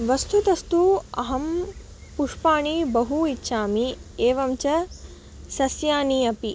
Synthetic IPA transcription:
ʋɐst̪ʰut̪ɐst̪uɐ̰ɦɐm | puʂpaːɳibɐɦuitːʃʰaːmieːʋɐmt͡ʃɐ | sɐsjaːniɐpi

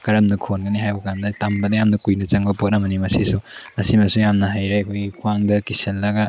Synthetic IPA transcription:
kɐɾɐmnɐkʰonɡɐniɦajbɐkandɐtambɐdɐjamnɐkujnɐt͡ʃɐŋbɐpot̚nɐmɐnimɐsisumɐsimɐsujamnɐɦajɾeɐkʰojɡikʰuaŋdɐkisɐnlɐɡɐ

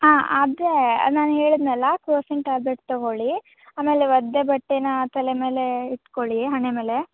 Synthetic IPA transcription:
ɦãːa̰d̪ɾḛnaːnuɦe̞ːɭid̪nɛːlɐkɾoːsiɳʈaːɾbeʈ̚t̪ɐɡoɭi | aːme̞ːleʋɐd̪ːebɐʈːenɐt̪ɐleme̞ːleiʈkoɭiɦɐɳeme̞ːle

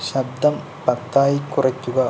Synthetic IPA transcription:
ɕɐb̚d̪ʱɐm | pɐt̪ːaːjikːurɐkʲːuɡɐ

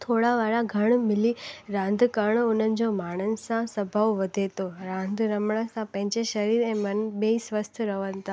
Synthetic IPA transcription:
t̪ʰoːɽaʋaːɭaɡʱəɽ̃mɪliɾãːnd̪ʱkəɳ̃ʊn̤ənɪ̆d͡ʑomaːɽ̃ənɪ̆sãsəbʱəʋʋəd̪ʱet̪oɾãːnd̪ʱɾəmɳəsãpə̃ɦɪ̃ɲd͡ʑeʃəɾiɾẽmənbeisʋəst̪ʰəɾəʋənɪt̪ʰa

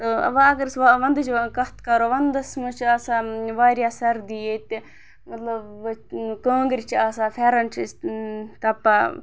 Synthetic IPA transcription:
t̪oɐ̰ʋaːɐkɐɾsʋaʋɐnd̪ɨt͡ʃkɐt̪kɐɾoːʋɐnd̪ɐsmut͡ʃʰiaːsaːʋaːɾjasɐɾd̪ijet̪i | mɐt̪lɐbkoːŋɡɾit͡ʃʰiaːsaːfʰeɾɐnt͡ʃʰist̪ɐpːa

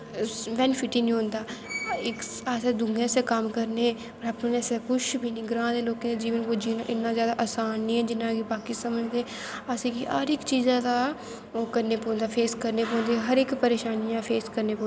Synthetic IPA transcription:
ʋɛːnpʰɪʈiːnĩːɦõnd̪aːɪkaːseːd̪ʊŋɡẽsekəmkəɾneː | pəɾaːpneskʊt͡ʃʰbʱiːnĩːɡɾãːd̪eːloːkẽːd̪ed͡ʒiːʋənkoːd͡ʒiːnã̰ʔɪnːãːzjaːd̪aːʔasaːnːĩːɛːd͡ʒɪnãːɡibaːkiːsəməd͡ʒd̪eː | asẽːkiʔa̰ːɾɪkt͡ʃiːzãːd̪aː | oːkəɾneːpõːnd̪aːpʰeːskəɾneːpõːnd̪eːɦəɾɪkpəɾeːʃaːnijãːpʰeːskəɾneːpõː

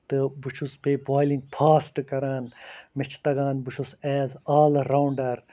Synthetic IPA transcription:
t̪ɨbut͡ʃʰuspebaːjlĩŋɡ̚pʰaːsʈkɐɾaːnmɪt͡ʃʰt̪ɐɡaːnbut͡ʃʰusɛːzaːlɾawɳɖɐɾ

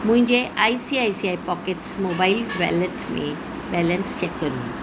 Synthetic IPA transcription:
mũɦɪ̃ɲd͡ʑeʔajsiajsiajpɔkeʈsmobailbɛ̰ləʈmḛ̃ | bɛlənst͡ʃɛkːəɾṵ̃

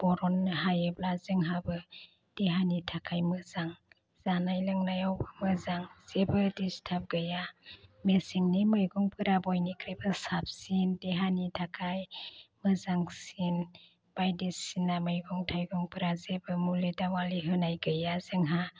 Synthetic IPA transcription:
b̥ɔɾɔnɦajɯblazɯŋɦabɯ | d̥eɦanitʰakʰajmɯzaŋ | z̥anajlɯŋnajawbɯmɯzaŋz̥ebɯdistʰap̚ɡɯjamesiŋnimɯjɡɔŋpʰɯɾabɔjnikʰɾebɯsap̚sindeɦanitʰakʰajmɯzaŋsin | b̥ajdisinamɯjɡɔŋtʰajɡɔŋpɯɾazebɯmuledawaliɦɯnajɡɯjazɯŋɦa

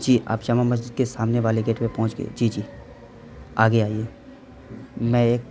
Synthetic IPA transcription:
d͡ʒiːʔa̰ːpʃaːmamɐz̬d͡ʒɪd̪̚kesaːmneʋaːleɡeːʈpepɐɦʊ̃t͡ʃɡḛḛd͡ʒiːd͡ʒiː | aːɡeaːieː | mɛ̃eːk̚

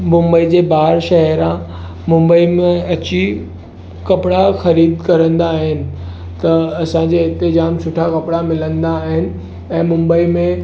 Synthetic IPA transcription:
mʊ̃mbəid͡ʑeːbaːɾʃɐɦɾã | mʊ̃mbəimẽɐt͡ɕi | kɐpɪɽaxɐɾiːd̪kɐɾə̃nd̪aːɦɪnɪ̆ | t̪ɐɐsãd͡ʑeːɪ̃nt̪ɪzaːmsʊʈʰakɐpɽamɪlə̃nd̪aːɦɪnɪ̆ | ɛ̃ːmʊ̃mbəimẽ

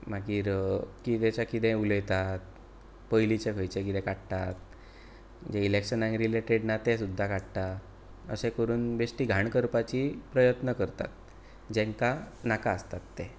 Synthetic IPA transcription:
maɡiːɾkid̪ẽt͡ɕakid̪ẽuləjt̪at̪̚ | pəjlit͡ɕekʰəjt͡ɕekid̪ɛ̃kaɽt̪at̪̚ | d͡ʑeilekɕənãŋɾileʈeɽnat̪ẽsud̪ʱːakaɽt̪a | ə̰sẽkəɾuːnbesʈiːɡʱaɳkəɾpat͡ɕipɾəjət̪nəkəɾt̪a̰t̪̚ | d͡ʑɛ̃ŋkanakaəst̪at̪ːe

